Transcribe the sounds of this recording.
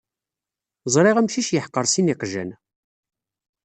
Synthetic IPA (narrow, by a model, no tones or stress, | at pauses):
zˤɾˤiʁæmʃiʃjəħqːəɾˤsiniqʒə̰n